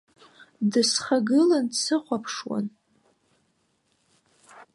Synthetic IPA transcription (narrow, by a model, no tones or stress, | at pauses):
dɨsχaɡɨlansɨχʷapʰʂwa̰n